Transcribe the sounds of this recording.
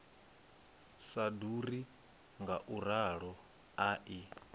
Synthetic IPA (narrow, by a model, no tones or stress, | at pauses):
saduɾi | ŋɡaʔuɾaɺɔ | aʔi